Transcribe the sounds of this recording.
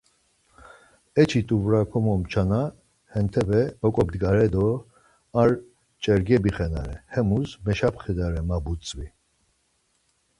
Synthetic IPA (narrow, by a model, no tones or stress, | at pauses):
ɛt͡ʃʰit̪ʼuvɾakʰɔmɔmt͡ʃʰana | hɛnt̪ʰɛbɛɔkʼɔb̚d̪ɡaɾɛd̪ɔ | aɾ | t͡ʃʼɛɾɡɛbiχɛna̰ɾɛhɛmusmɛʃapχɛd̪aɾɛmabut͡sʼvi